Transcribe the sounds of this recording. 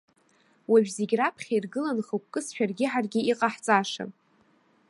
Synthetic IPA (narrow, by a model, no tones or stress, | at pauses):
waʒᶣzeɡʲrapʰχʲairɡɨlanχokʷkʼːɨsʃᶣarɡʲɪħarɡʲɪiqʼaħt͡sʼaʂa̰